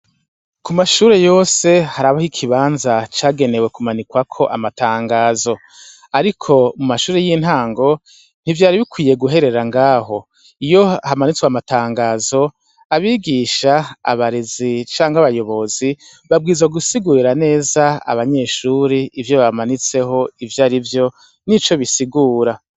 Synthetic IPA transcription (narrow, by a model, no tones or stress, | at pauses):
kumaʃuːɾe̞jo̞ːse̞haɾaβahikʰiβaːnzat͡ʃaːɡe̞ne̞we̞kumanikwakʰo̞ʔamataːŋɡaːzo̞ | aɾikʰo̞mumaʃuːɾejin̥haːŋɡo̞ | n̥ivjaːɾiβikwiːje̞ɡuɦe̞ɾe̞ɾaŋɡaːɦo̞ | ijo̞aɦamanit͡swamataːŋɡaːzo̞ | aβiːɡiːʃa̰ːβaɾezit͡ʃaːŋɡaβajo̞βo̞zi | βab̚ɡiːzaɡusiɡuɾiɾane̞ːzaa̰βaɲe̞ːʃuːɾiivjo̞βamanit͡se̞ɦo̞ivjaːɾivjo̞ | nit͡ʃo̞βisiɡuːɾa